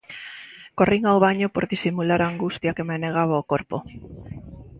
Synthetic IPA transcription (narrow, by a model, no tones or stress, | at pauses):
koriŋawβaɲopoɾðisimulaɾaŋɡust̪jakemeneɣ̞aβaokoɾpo̰